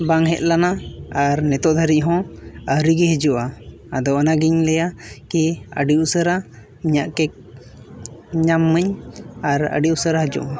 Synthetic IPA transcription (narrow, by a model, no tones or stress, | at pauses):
baŋɦɛt̪̚lanaaɾnɛt̪ɔʔd̪ʱaɾic̚ˀɦɔ̃əɾiɡɛɦəd͡ʒuʔa | ad̪ɔənaɡiɲlɛjakiə̰ɖiusəɾa | iɲaʔkɛk̚ | ɲamːəɲaɾə̰ɖiʔusəɾaɦəd͡ʒṵʔa